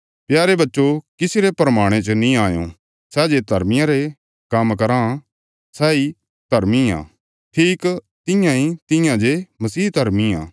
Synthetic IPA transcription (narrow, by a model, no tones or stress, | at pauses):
pjaːɾebɐtːʃokɪsɪɾepɾɐmaːɽ̃et͡ʃonĩaːjõ̰ | sɛːd͡ʒed̪ʱɐɾmɪjãɾe | kɐmkɐɾã | sɛːi | d̪ʱɐɾmiã̰ː | ʈʰiːk | t̪ɪjãɦĩt̪ɪ̃jãd͡ʒemɐsiːd̪ʱɐɾmiã̰ː